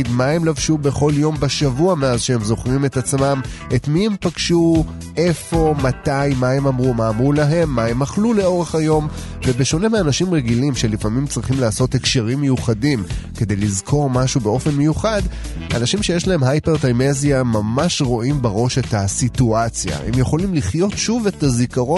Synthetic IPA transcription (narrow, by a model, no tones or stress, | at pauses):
idmae̞mlavʃube̞χo̞ljo̞mbeʃavuameazʃee̞mzo̞χʁime̞tat͡smame̞t̪mie̞mpaɡ̥ʃu | e̞fo̞matajmae̞mamʁumaːmʁulaɦe̞mːae̞maχlule̞o̞ʁe̞χhajo̞m | ve̞be̞ʃo̞ne̞meanaʃimʁeɡilimʃe̞lifamimt͡sʁiχimlaːso̞thekʃeʁimːejuχadimke̞d̪e̞jlizkʰo̞ʁmaʃubeo̞fe̞nmejuχad | a̰naʃimʃe̞jeʃlaɦe̞mɦajpeʁtajmezjamamaʃʁo̞ʔimbaʁo̞ʃe̞tasituat͡sja̰hḛmjeχo̞limliχjo̞tʃuvetazikaʁo